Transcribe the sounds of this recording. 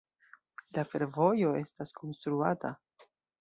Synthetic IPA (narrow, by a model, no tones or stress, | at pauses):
lafe̞ɾvo̞jo̞e̞staskʰo̞nstɾuata